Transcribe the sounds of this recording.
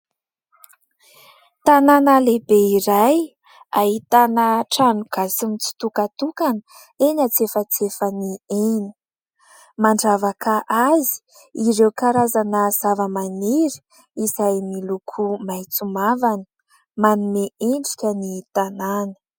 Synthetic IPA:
t̪ananəlebeiɾaj | aɦit̪anəʈ͡ʂanuɡ̥asimit͡si̥t̪ukat̪ukanə | enat͡sefət͡sefənieni̥ | maɳɖ͡ʐavakʰəʔazi̥ | iɾewkaɾazanəz̥avəmaniɾi̥ | izajmilukʰumajt͡sumavanə̥ | manumeeɳɖ͡ʐi̥kʲənit̪ananə̥

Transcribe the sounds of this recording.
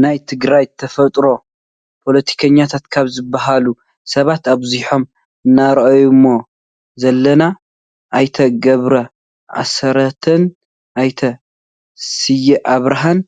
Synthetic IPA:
najt̪ʰɨɡɾajt̪ʰɐfɐt̪ʼɾo̞ | pʰo̞lɐt̪ʰi̥kʰɐɲːat̪ʰat̪kʰaβzɨbːaɦalu | sɐβat̪aβzuħo̞m | ɨnːaɾɐʔɐjumːo | zɐlːɐna | ʔajt̪ʰɐɡɐβɾɐ | ʔa̰sɐɾɐt̪ʰɐn | ʔajt̪ʰɐ | sɨjiʔaβɾaɦan

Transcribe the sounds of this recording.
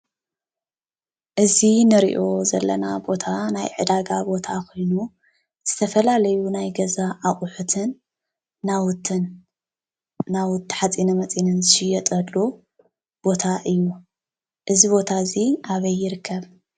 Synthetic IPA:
ʔɨzinɨɾḭʔo̞zɐ̰lːɐ̰nabo̞t̪ʰanajʕɨ̰d̪aɡabo̞t̪ʰakʰo̞jnu | z̥ɨt̪ʰɐfɐlalɐjunajɡɐzaʔaχʼʊħut̪ʰɨnː | awt̪ɨn | nawʊt̪ːħat͡sʼinɐmɐt͡sʼinɨnzɨʃɪjːɐt̪ʼɐlːu | b̥o̞t̪ʰaʔɨjːu | ʔɨziβo̞t̪ʰaɨziʔaβɐjːɪɾɨkʰːɐβ

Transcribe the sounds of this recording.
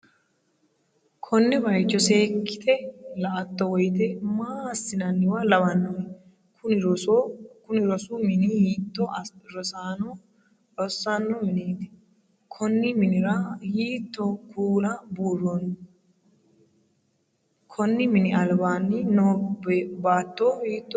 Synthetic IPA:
kʰɔnːɪbɐjt͡ʃːɔse̞ːkːɪ̥t̪ɛlɐʔɐt̪ːɔwɔjt̪ɛmaːsːɪnɐnːɪwalɐbɐnːɔn | kʊn | kʊnɪɾɔsuːmɪnihiːt̪ːɔɾɔsaːnɔ | ɔsːanːɔmɪneːt̪ɛ̥ | kʰɔnːɪmɪnɪɾɐhiːt̪ːɔkʰuːlɐbuːrːon | kʰɔnːɪmɪnɪɐlbaːnːɪnobbaːt̪ːoːhiːt̪ːɔ

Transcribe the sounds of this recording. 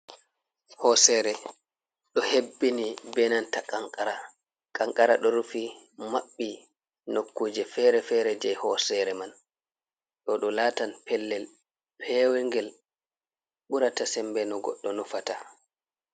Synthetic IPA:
hɔsɛɾɛ | ɗɔhebːinibɛnantakaŋkʼaɾa | kʼaŋkʼaɾaɗɔɾufi | maɓːi | nokːuːd͡ʒɛfɛɾɛfɛɾɛd͡ʒɛjhɔsɛɾɛman | ɗɔɗɔlaːtanpɛlːɛl | pʰɛːwɛŋɡɛl | ɓuɾatasɛmbɛnɔɡɔ̰ɗːɔnufata

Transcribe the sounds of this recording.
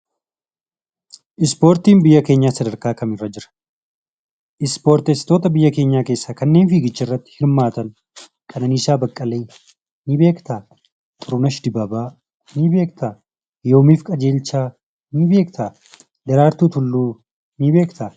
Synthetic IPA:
ʔɪspo̞ːɾt̪iːmbɪjːɐke̞ːɲːaːsɐd̪ɐɾkaːkɐmɪrːɐd͡ʒɪɾɐ̥ | ʔɪspo̞ːɾt̪ɛst̪o̞ːt̪ɐbɪjːɐke̞ːɲːaːke̞ːsːakɐnːe̞ːnfiːɡɪt͡ʃːɐɪrːɐt̪ːɪ̥hɪɾmaːt̪ɐn | kʰʼɐnɐniːsaːbɐkʼːɐleː | nɪbe̞ːkt̪aː | t̪ʼʊɾʊnɐʃd̪ɪbɐbaː | nɪbe̞ːkt̪ʰaː | jo̞ːmiːfkʼɐd͡ʒe̞ːlt͡ʃːaː | nɪbeːkt̪ʰaː | d̪ɐɾaːɾt̪uːt̪ʊlːuː | nɪbe̞ːkt̪aː

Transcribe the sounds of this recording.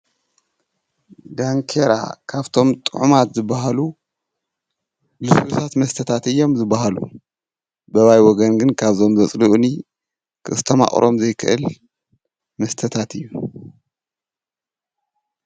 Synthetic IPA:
d̪aŋkʰeɾa̰kʰaβt̪ʰo̞mt̪ʼɨʕumat̪zɨbːaɦalu | lɨswusat̪mɐst̪ʰɐt̪ʰat̪ɨjːo̞mzɨbːaɦalṵ | bɐβajwɔɡɐnɡɨnkʰaβzo̞mzɐt͡sʼluʔni | kʰɨʔɨst̪ʰɐma̰χʼɾʔo̞mzɐjkʰɨʔɨl | mɐst̪ʰɐt̪ʰat̪ɨjːu

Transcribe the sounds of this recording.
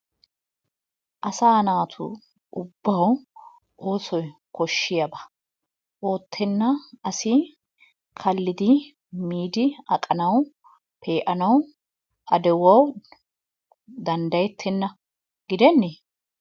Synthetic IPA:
ʔɐsaːnaːt̪ʰʊ̰ | ʔʊbːɐw | ʔo̞ːsɔjkʰɔʃːɪjɐbɐ | o̞ːt̪ʰːɛnːɐɐsɪ | kʰɐlːɪd̪ɪ | miːd̪ɪɐkʼɐnɐw | pʰe̞ːʔɐnɐw | ɐd̪ɛwɐw | d̪ɐnd̪ɐjɛt̪ʰːɛnːɐ | ɡɪd̪ɛnːeː

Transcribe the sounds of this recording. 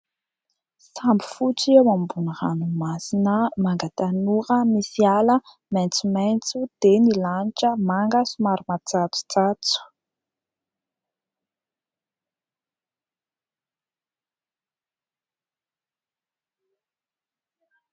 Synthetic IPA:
sambi̥fut͡siawambunira̰numasinəmaŋɡat̪anuɾəmisialə | mɛnt͡sument͡sud̪̥enilaniʈ͡ʂəmaŋɡəsumaɾumat͡sat͡su̥t͡sat͡su̥

